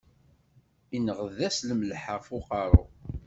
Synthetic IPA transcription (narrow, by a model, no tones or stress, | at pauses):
inəʁəðæsləmlħəʁfʊqɑɾˤo̰